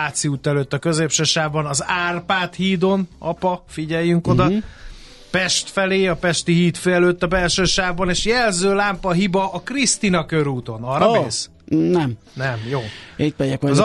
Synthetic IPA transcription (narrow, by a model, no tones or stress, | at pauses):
aːt̪siuːt̪ːɛløːt̪ːɒkø̞zeːpʃɛʃaːvbɒnɒzaːrpaːt̪hiːd̪o̞nɒpɒfiɟɛjːyŋko̞d̪ɒ | pɛʃt̪fɛleːɒpɛʃt̪iɦiːt̪feɛløːt̪ːɒbɛlʃøːʃaːvbɒneːʃjɛlzøːlaːmpɒɦibɒʔːkrist̪inɒkøɾuːt̪o̞nɒrːɒmːs | nɛm | nɛmjoːit̪mɛjɛkʋɒz